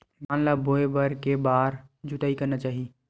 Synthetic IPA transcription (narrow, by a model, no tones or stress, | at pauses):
mãnlaboebəɾkebaːɾd͡ʒut̪aikənat͡ʃaːɦi